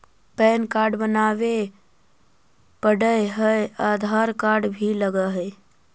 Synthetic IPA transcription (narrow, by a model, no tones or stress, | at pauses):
pɛnkaɾɖbənaʋe | pəɽəjɦəjad̪ʱaɾkaɾɖbʱiləɡəɦə